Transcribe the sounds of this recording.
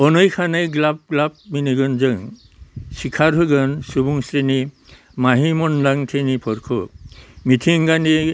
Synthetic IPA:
ɔnɯjkʰanajɡlap̚ɡlap̚miniɡɯnzɯŋ | sikʰaɾɦɯɡɯnsubuŋsɾini | maɦimɔnlaŋtʰenipʰɔɾkʰɔmitʰiŋɡani

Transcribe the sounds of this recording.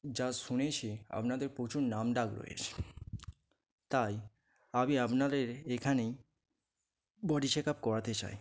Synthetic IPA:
d͡ʑaʃunet͡ɕʰea̰pnad̪eɾpɾot͡ɕuɾnamɖakɾo̰jḛt͡ɕʰe̥ | t̪aj | abiapnad̪eɾekʰane | bɔɖiʃekap̚kɔɾat̪et͡ɕa̰j

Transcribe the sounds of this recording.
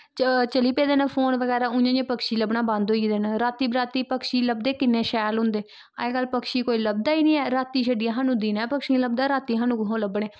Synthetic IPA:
t͡ʃəliːpeːd̪eːnapʰoːnʋəɡɛːɾaːʊjãːd͡ʒẽpəkʃiːləbɳaːbãnd̪ɦoːiːd̪eːnaɾaːt̪iːbɾaːt̪iːpəkʃiːləbd̪eːkɪnːẽːʃɛːlɦʊ̃nd̪eː | a̰ekəlpəkʃiːkoːiːləb̚d̪aːiːnĩːɛːɾaːt̪iːʃəɖijãːɦaːnũːd̪iːnɛːpəkʃiːləb̚d̪aːɾaːt̪iːɦãːnũːɡɦõːləbɳeː

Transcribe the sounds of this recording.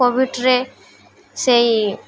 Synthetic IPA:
obiʈɾe | sej

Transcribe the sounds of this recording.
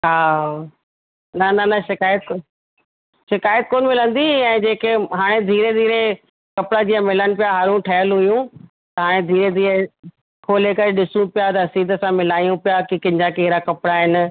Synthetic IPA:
ɦaː | nɐnɐnɐʃɪkaːjət̪ | ʃɪkaːjət̪̚koːnmɪlə̃nd̪iɛ̃ːd͡ʑeːkeɦaːɽ̃ed̪ʱiːɾed̪ʱiːɾe | kɐpɪɽad͡ʑiːəmɪlənɪ̆pijaɦaːɾũʈʰɐjəlɦʊjũ | t̪ɐɦaːɽ̃ẽd̪ʱiːɾed̪ʱiːɾe | kʰoːlekɐɾeɗɪsũpijat̪ɐɐsiːd̪ʱəsãmɪlaːijũpijakikɐ̃ɲd͡ʑakeɦɪɾakɐpɽaɦɪnɪ̆

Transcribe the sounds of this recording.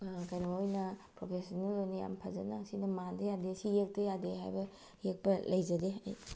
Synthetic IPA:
kɐjnaojnɐpɾopʰesonelojnija̰mpʰɐzɐ̰nɐsinɐmandɐjadesijek̚tɐjadeɦa̰jbɐ | jek̚pɐlʔɐjzɐdeɐ̰j

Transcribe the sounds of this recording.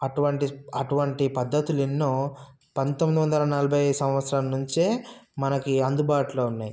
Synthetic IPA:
ɐʈuʋɐɳʈiɐʈuʋɐɳʈipɐd̪ːɐt̪ulinːoː | pɐnt̪omːid̪iʋɐnd̪ɐlɐnɐlɐbʱɐjsɐ̃wʋɐt̪sɾaːlɐnuɲt͡ʃeːmɐnɐkiɐnd̪ubaːʈuloːunːaːji

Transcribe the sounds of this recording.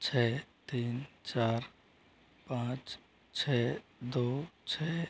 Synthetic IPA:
t͡ʃʰɛt̪iːnt͡ʃaːɾ | pãt͡ʃ | t͡ʃʰɛd̪ot͡ʃʰɛ

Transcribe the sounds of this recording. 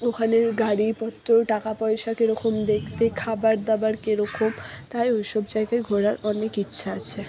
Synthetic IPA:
okʰaneɾɡaɽipɔt̪ːɾoʈakapɔjʃakeɾɔkomd̪ekʰt̪ekʰabaɾd̪abaɾkeɾɔkomt̪ajojʃɔb̚d͡ʑajɡajɡʱɔɽaɾɔnekitːɕʰaat͡ɕʰe

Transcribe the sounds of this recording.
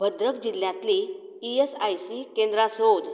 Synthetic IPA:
bʱəd̪ɾəkd͡ʑilːjãt̪li | iesajsikẽnd̪ɾasod̪

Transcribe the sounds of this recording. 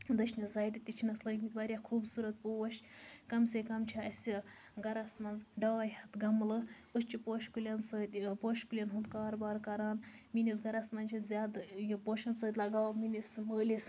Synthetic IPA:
d̪əʃnʲɐzɐːjʈit̪it͡ʃʰinɐslɐɡmʲit̪baɾʲjakʰuːbsuɾɐt̪̚powɐʃkɐmsʲekɐmt͡ʃʰiɐsʲi | ɡɐɾɐsnɐnd͡zɖɐwɐjhɐt̪ɡɐmlɨ | ɨst͡ʃipoːʃkulʲɐnsəːt̪ʲpoːʃkulʲɐnɦunt̪kaːɾbaːɾkɐɾaːnminʲis̬ɡɐɾɐsnɐnʲt͡ʃʰizʲaːd̪jipoːʃɐnsəːt̪ʲlɐɡaːwminisməːlʲis

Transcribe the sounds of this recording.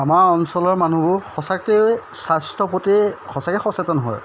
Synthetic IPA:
amaɹɔnsɔlɔɹmanubʊxɔsakɛsastʰɹɔpotixɔsakɛxɔsetɔnɔɦɔ̰j

